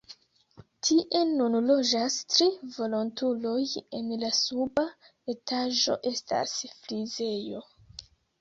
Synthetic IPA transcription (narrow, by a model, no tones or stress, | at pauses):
tʰiʔe̞nunlo̞d͡ʒastɾivo̞lontulo̞je̞nlasuba | etʰaʒo̞̰ʔe̞sta̰sflize̞jo̞